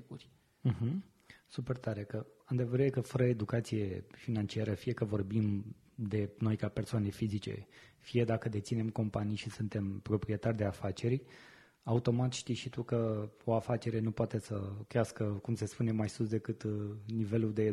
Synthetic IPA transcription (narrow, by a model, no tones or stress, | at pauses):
urʲ | m̩ɦ̩ | supe̞rt̪aɾe̞kəand̪evəɾeekəfəɾəed̪ukat̪sije̞finant͡ʃiaɾəfije̞kəvo̞rbim | d̪e̞no̞jkape̞rsoane̞fizit͡ʃe̞̰fije̞d̪akəd̪e̞t̪sine̞mko̞mpanijʃisunt̪e̞mpɾo̞pɾie̞t̪ard̪e̞afat͡ʃe̞ɾʲ | aut̪o̞mat̪ʃt̪ijʃit̪ukəo̞afat͡ʃe̞ɾe̞nupoat̪e̞səkɾeaskəkumse̞spune̞majsusd̪e̞kɨt̪nive̞lud̪e̞